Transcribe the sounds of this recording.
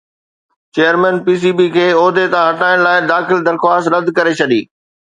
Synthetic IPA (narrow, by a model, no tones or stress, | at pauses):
t͡ɕeːəɾmɛ̃ːnpiːs̬iːbikʰeːoːd̪ʱet̪ãɦɐʈaːɪɽ̃laːɪd̪aːxɪld̪ɐɾxwaːst̪ɾɐd̪ʱkɐɾet͡ɕʰɐɗiː